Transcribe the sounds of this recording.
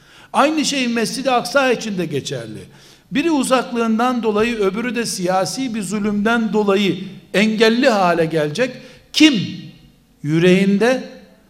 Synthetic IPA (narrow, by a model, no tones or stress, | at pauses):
ajnɯʃe̞jmɛst͡ʃid̪iaksaːit͡ʃʰind̪ɛɟet͡ʃʰæ̰ɾlʲḭ | biɾiuzaklˠɯːnd̪and̪o̞lˠajɯø̞byɾyd̪ɛsijaːsiːbizylʲymd̪ænd̪o̞lˠajɯɛɲɟɛlʲːiɦaːlʲɛɟɛlʲd͡ʒɛc | cʰim | jyɾe̞jind̪ɛ